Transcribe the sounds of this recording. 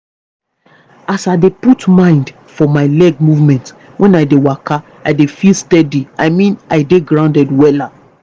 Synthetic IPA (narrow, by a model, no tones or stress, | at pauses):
asaɪdeputmãɪ̃nd | fɔmaɪlɛɡ̚muvmɛ̃nt | wɛ̃naɪdewaka | aɪdefilstɛdiaɪmĩnaɪdeɡɹãʊ̃ndɛdwɛla